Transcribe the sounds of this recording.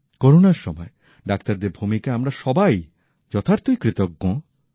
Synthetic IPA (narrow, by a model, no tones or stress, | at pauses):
koɾonaɾʃɔ̰mɔe | ɖak̚t̪aɾd̪eɾbʱumikaamɾaʃɔbaj | d͡ʑɔt̪ʰaɾt̪ojkɾit̪oɡːõ